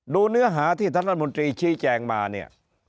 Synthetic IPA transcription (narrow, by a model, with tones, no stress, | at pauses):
doː˧nɯ˦˥ɐɦaː˩˦t̪ʰiː˥˩t̪ʰaː˧˥˩a˥t̪̚mo˧nt̪ɾiː˧t͡ɕʰiː˦˥t͡ɕɛː˧ŋmaː˧ni˥˩ɐ